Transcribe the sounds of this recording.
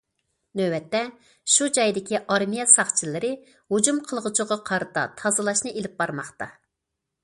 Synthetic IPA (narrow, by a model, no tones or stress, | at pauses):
nøbɛt̪ːɛ | ʃud͡ʒɑjd̪ɪkʲʰiʔɑɾmijɛsɑχt͡ʃʰilɪɾɪ | hud͡ʒumqʰəlˠʁʊt͡ʃʰʊʁɑqʰɑɾɨt̪ɑ̰t̪ʰɑzɨlˠɑʃnɨʔelɪp̚bɑɾmɑχt̪ɑ̰